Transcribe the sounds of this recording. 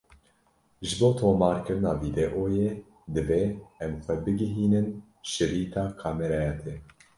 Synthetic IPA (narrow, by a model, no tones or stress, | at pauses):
ʒɨboːt̪ʰoːmɑːɾkɨɾɨnɑːviːd̪ɛʔoːjeː | d̪ɨveːɛmxʷɛbɨɡɨɦiːnɨn | ʃɨɾiːt̪ʰɑːkʰɑːmɛɾɑjɑt̪ʰeː